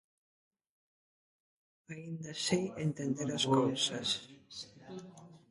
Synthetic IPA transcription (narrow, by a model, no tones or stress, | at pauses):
aind̪asient̪end̪eɾaskɔowsɐs